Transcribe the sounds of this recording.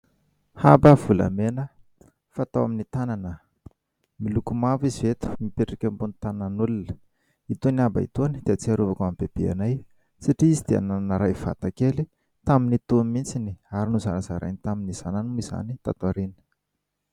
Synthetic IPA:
habavula̰menə | fat̪awa̰minit̪ananə | milukumavizivet̪u̥mipeʈ͡ʂikʲambunit̪anananulunə̥ | it̪uniaba̰ḭt̪uanid̪̥eat͡siaɾuvakambeb̥ea̰naj | saʈ͡ʂiizid̪̥ea̰nananəɾajv̥a̰t̪akeli | t̪aminit̪umint͡siniaɾinuzanazaɾa̰jnit̪aminiz̥ananumiz̥a̰nit̪a̰t̪aɾinə̥

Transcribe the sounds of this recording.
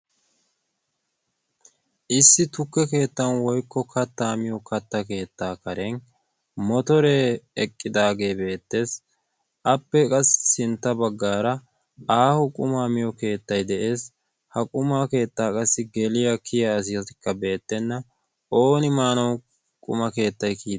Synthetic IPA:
ʔɪsːɪt̪ʊkːɛke̞ːt̪ːɐnwɔjkːɔkʰɐt̪ːaːmɪjɔkɐt̪ːɐke̞ːt̪ːaːkɐɾɛn | mɔt̪ɔɾeɛkʼːɪd̪aːɡe̞ːbe̞ːt̪ːe̞ːs | ʔɐpːɛkʼɐsːsɪnt̪ːɐbɐɡːaːɾɐ | aːhʊkʼʊmaːmɪjɔke̞ːt̪ːɐjd̪ɛʔe̞ːs | hɐkʼʊmaːke̞ːt̪ːaːkʼɐsːɪɡɛlɪjɐkʰɪjɐːs̬ɪjɐt̪ɪkːɐbe̞ːt̪ːɛnːɐ | o̞ːnɪmaːnɐw | kʼʊ̰mɐke̞ːt̪ːɐjkiː

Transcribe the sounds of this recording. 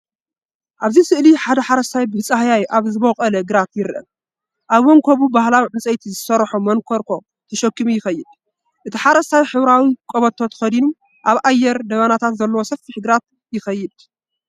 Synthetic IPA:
ʔaβzisɨʔliħad̪ɐħaɾɐst̪ʰajbɨhɨt͡sʼahjajʔaβzɨβokʼɐlɐɡɨɾat̪jɪɾʔɐ̰m | ʔaβːɔŋkʰoβubahlawiʕɨnt͡sʼɐjt̪ʰizɨsɐɾħomɐŋkʰoɾkʰo̞ | t̪ʰɐʃɐkːimujɪxɐjːɪd̪̥ | ʔɨt̪ʰiħaɾɐst̪ʰajħɨβɾawikʼoβɐt̪ʰːo̞t̪ʰxɐd̪inum | ʔaβʔajːɛɾd̪ɐβanat̪ʰat̪zɐlːɐwosɐfːiħɡɾat̪̚ | jɪxɐjːɪd̪

